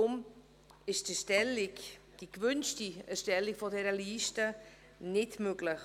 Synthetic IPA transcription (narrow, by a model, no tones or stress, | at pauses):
ʊm | ɪʃdəʃtɛlɪk | d̥ikvʏnstiɛʃtɛlikfodɛɾəliːstə | nɪtmøɡlɪx